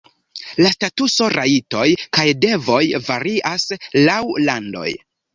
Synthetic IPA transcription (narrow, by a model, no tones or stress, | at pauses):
lastatuso̞ɾʔaito̞jkajde̞vo̞jvaɾiʔaslawlando̞̰j